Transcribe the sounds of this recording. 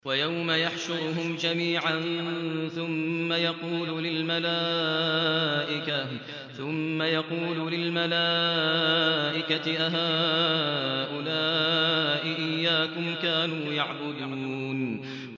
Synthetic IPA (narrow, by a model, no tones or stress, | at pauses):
wajawmajaħʃʊɾhʊmd͡ʒamiːʕanθʊmːajɑquːllɪlmalaː | ʔɪka | θʊmːajɑquːlʊlɪlmalaː | ʔɪkaɪʔaɦaː | ʔʊlaː | ʔɪʔɪjːaːkʊmkaːnuːjaʕbʊd̪uːn